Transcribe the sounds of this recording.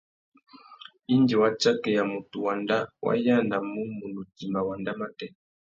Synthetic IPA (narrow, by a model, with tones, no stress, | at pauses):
i˦ndi˨wa˦t͡ʃa˦kɛ˨ja˨mu˨tu˨wa˨nda˦wa̰˦ja˦na˨mu˦mu˨nu˨ti˨ma˨wa˨nda˦ma˦tɛ˦